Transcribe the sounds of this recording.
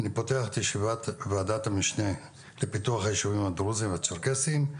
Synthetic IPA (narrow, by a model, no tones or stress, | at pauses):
anipo̞teaχet̪jeʃivat̪veadat̪hamiʃne̞ | lepituaχajeʃuvimad̪ʁuzimveat͡soʁkesim